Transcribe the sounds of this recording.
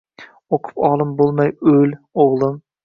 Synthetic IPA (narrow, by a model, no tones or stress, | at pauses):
oqʰʊ̥pɒlˠɪmbolˠmajɵloʁlˠɨm